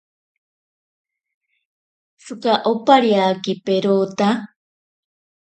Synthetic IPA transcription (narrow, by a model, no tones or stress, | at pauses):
sukaʔopaɾiakipeɾot̪a